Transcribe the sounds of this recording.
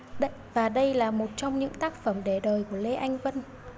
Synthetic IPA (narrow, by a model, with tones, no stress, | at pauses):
ɗ | vaː˨˩ɗə˧jlaː˨˩mo˨˩t̚t͡ɕɔ˧wŋ͡mɲɨ̰˧˥ŋt̪aː˦˥k̚fə˧˩mɗe˧˩ɗəː˨˩jku˧˩əle˧ʔa˧jŋ̟və˧n